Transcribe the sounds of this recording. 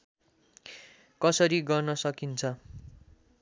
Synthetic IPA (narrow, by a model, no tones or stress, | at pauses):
kʌsʌɾiɡʌrnʌsʌkint͡sʰʌ